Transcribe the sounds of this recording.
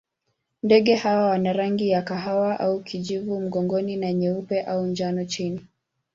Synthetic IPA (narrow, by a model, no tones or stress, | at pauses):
ndɛɠɛhawawanaɾaŋɡijakaɦawaʔaukʰiʄivum̩ɠɔŋɡɔninaɲɛupɛʔaund͡ʒanɔt͡ʃini